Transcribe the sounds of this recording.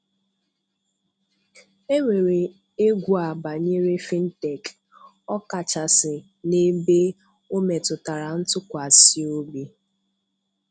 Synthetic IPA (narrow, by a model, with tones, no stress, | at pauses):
e˦ŋʷe˨ɾe˨ | e˦ɡʷu˦˨a˨ba˨ɲe˦ɾe˦fi˦n̩˦te˨k | ɔ˦ka˨t͡ʃa˨sɪ˨ | ne˦be˦ | o˦me˨tʊ˨ta˨ɾa˨n̩˦tʊ˦kʷa˨si˦o˦bi˦